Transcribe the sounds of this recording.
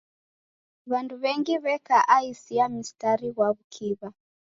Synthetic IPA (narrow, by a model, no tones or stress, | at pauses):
βanduβɛŋɡiβɛkaʔaisiamistaɾiɣwaβukʰiβa